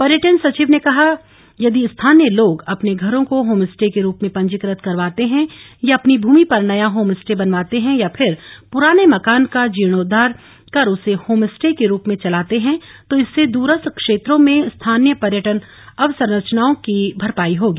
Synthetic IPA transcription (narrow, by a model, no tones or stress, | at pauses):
pɐɾjəʈənsɐt͡ʃiːʋnekɐɦa | jɐd̪iɪst̪ʰaːnjəloːɡɐpneɡʱɐɾõkoɦoːmɪsʈekeɾuːpmẽpɐ̃ɲd͡ʒɪkɾət̪kɐɾʋaːt̪eɦɛ̃jaɐpnibʱuːmipɐɾnɐjaɦoːmɪsʈebɐnʋaːt̪eɦɛ̃japʰɪɾpʊɾaːnemɐkaːnkad͡ʒiːɽ̃oːd̪ʱaːɾ | kɐɾʊsehoːmɪsʈekeɾuːpmẽt͡ʃɐlaːt̪eɦɛ̃t̪oɪsːed̪uːɾəst̪kʃeːt̪ɾõmẽst̪ʰaːnjəpɐɾjəʈən | ɐʋsəɾɾət͡ʃnaːõkibʱɐɾpaːiɦoːɡiː